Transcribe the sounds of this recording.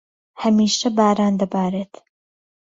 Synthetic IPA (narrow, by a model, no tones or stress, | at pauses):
hɐmiːʃɐbaːɾaːnd̪ɐbaːɾeːt̪